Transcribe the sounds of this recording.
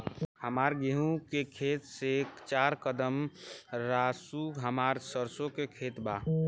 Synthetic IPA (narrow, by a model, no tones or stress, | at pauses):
həmaɾɡeɦũkekʰet̪sekt͡ʃaɾkəd̪əmɾasuɦəmaɾsəɾsokekʰet̪ba